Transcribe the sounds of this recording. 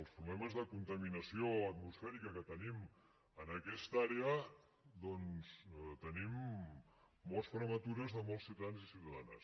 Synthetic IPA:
əlˠspɾuβlɛməzðəkunt̪əminəsioət̪musfɛɾikəkət̪ənim | ənəkɛst̪aɾeə | ðɔnzt̪ənimː | ɔlˠsfɾəmət̪uɾəzðəmɔlˠsːiuwt̪əðanzisiuwt̪əðanə̰s

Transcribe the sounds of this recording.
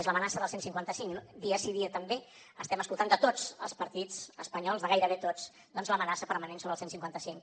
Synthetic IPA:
ezləmənasəðəlˠsensiŋkwant̪əsiŋnd̪iəsiðiət̪əmbe | əst̪ɛməskulˠt̪and̪ət̪ot͡sə̰lˠspəɾt̪id͡zəspəɲɔlˠzðəɣajɾəβet̪ot͡s | d̪ɔnzləmənasəpəɾmənensoβɾəlˠsensiŋkwant̪əsiŋ

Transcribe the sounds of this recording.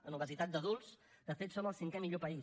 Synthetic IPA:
ənuβ̞əzit̪at̪̚d̪əðulˠsd̪̥əfet̪soməlˠsiŋkɛmiʎopəi

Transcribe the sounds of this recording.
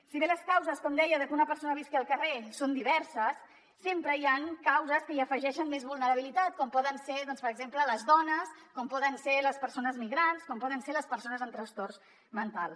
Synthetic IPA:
siβeləskawzəskɔmd̪ɛjəðəkunəpəɾsonəβiskeːlˠkəresond̪iβɛɾsəsː | empɾəiaŋkawzəskəiəfəʒɛʃənmezβulˠnəɾəβilit̪at̪̚kɔmpɔðənseðɔnspəɾəɡzemplələzðɔnəskɔmpɔðənseləspəɾsonəzmiɣɾanskɔmpɔðənseləspəɾsonəzənt̪ɾəst̪ors | mənt̪alˠ

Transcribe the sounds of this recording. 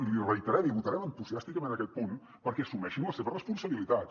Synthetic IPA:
d̪irəjt̪əɾɛmiβut̪əɾɛmənt̪uziast̪ikəmenəkɛt̪̚pun | pəɾkɛsumɛʃinləseβərəspunsəβilit̪at̪

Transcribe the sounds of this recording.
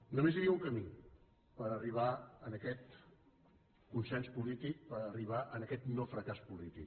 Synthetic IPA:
numeziɾiəuŋkəmi | pəɾəriβ̞aənəkɛt̪ | kunsɛnspulit̪ik̚pəɾəriβ̞aʔənəkɛt̪nofɾəkaspulit̪ik

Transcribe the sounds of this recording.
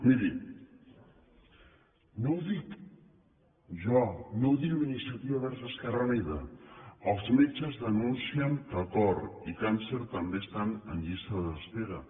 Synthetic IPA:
miɾi | nowðik | ʒɔnowðikminist̪ɾat̪iβaβɛɾzəskaraneðɐəlˠzmit͡ʃəzðənunsiəŋkəkɔɾikanseɾt̪ambest̪anənʎist̪əðst̪eɣɐ

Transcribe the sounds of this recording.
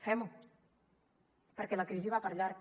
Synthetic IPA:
fɛmu | pəɾkɛləkɾiziβ̞apəɾʎaɾ

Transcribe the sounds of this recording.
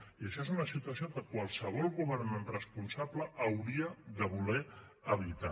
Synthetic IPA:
iəʃɔezunəsit̪uəsiokəkwalˠsəβɔlˠɣuβəɾnənrəspunsabləːwɾiəðəβulɛ | əβ̞it̪a

